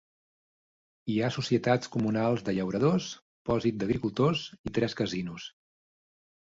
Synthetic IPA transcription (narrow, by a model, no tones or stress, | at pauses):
iasusiət̪at͡skumunalˠzðəʎəwɾəðos | pɔzit̪̚d̪əɣɾikulˠt̪ozit̪ɾɛskəzinus